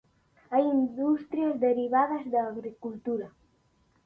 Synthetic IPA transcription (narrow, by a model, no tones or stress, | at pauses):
ajind̪ust̪ɾiazd̪əɾiβaðɐzd̪aːɣɾikult̪uɾɐ